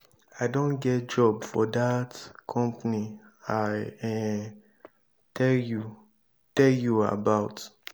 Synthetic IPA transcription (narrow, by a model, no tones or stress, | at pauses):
aɪdõnɡɛt̚d͡ʒɔbfɔdatkʰɔ̃mpni | aɪɛ | tʰɛlju | tɛljua̰baʊt